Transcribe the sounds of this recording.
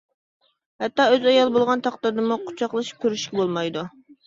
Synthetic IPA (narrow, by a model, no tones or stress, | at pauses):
hɛt̪ːɑːøzɛjɑlˠbolˠʁɑnt̪ʰɑχt̪ɨɾd̪ɨmuqʰʊ̥t͡ʃʰɑqlˠɨʃi̥p̚kʲʰøɾyʃkʲɛbolˠmɑjd̪u